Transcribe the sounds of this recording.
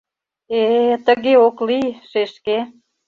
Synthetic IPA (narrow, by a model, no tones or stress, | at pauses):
et̪əɣeoklijʃeʃke